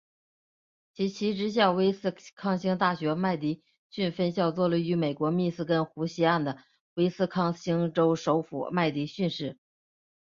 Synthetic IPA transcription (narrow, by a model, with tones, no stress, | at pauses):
t͡ɕʰi˧˥t͡ɕʰi˧˥ʈ͡ʂɻ̩˧˥ɕ̬jɑ˥˩ʊwe˥ɪsɹ̩˥˧kʰɑ˥˩ŋɕi˥ŋt̪̬a˥˩ɕɥɛ˧˥ma˥˩ɪt̪i˧˥ | ɕy˥˧nfə˥nɕjɑ˥˧ʊt͡swɔ˥˩lə˧˩y˧˥me˨˩ɪkwɔ˧˥mi˥˧sɹ̩˥˩kə˥nxu˧˥ɕi˥a˥˩nd̪ə˩ | we˥ɪsɹ̩˥˧kʰɑ˥˩ŋɕi˥ŋʈ͡ʂo˥ʊʂo˧˥ʊfṵ˨˩ma˥˧ɪt̪i˧˥ɕy˥˧nʂɻ̩˥˩